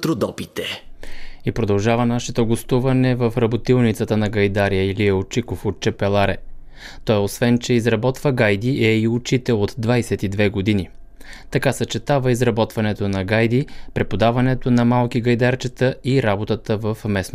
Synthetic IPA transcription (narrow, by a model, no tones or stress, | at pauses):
t̪ɾod̪ɔpit̪ɛ | ipɾod̪ɐlˠʒavənaʃɛt̪oɡost̪uvɐnɛvəfɾɐbot̪ilˠnit̪sət̪ənɐɡɐjd̪aɾiəiliɛot͡ʃikofot̪̚t͡ʃɛpɛlˠaɾɛ | t̪ɔjosvɛnt͡ʃɛizɾɐbɔt̪vəɡajd̪iʔɛiʊt͡ʃit̪ɛot̪d̪vajsɛt̪id̪vɛɡod̪ini | t̪ɐkasət͡ʃɛt̪avəizɾɐbɔt̪vɐnɛt̪onɐɡajd̪ipɾɛpod̪avɐnɛt̪onɐmalˠkiɡɐjd̪aɾt͡ʃɛt̪əiɾabot̪ət̪əvəfmɛsno